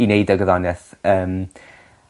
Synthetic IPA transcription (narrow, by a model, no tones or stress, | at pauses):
inejdəɡəðɔnɛθəːm